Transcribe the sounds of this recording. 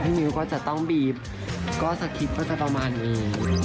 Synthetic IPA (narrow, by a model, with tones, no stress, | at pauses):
t̪ʰiː˦˥˩nɯː˨˦kɔː˥˩t͡ɕa˨˩t̪ɔ˥˩ŋbiː˨˩p̚ | kɔː˥˩sa˧˩kʰi˧˦˥p̪̚kaː˥˩t̪a˧˩pa˧maː˧nːiː˧˥